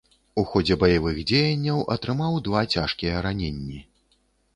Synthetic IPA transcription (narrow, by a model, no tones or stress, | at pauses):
uxɔd͡zʲɛbɐjavɨɣd͡zʲejɐnʲːɐwʔɐt̪ɾɨmawd̪vat͡sʲaʂkʲijɐɾanʲenʲːi